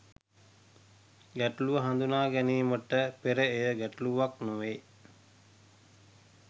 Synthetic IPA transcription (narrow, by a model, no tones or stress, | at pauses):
ɡæʈuluʋəɦand̪unaːɡæniːmoʈːəpeɾəejəɡæʈuluʋaknoʋe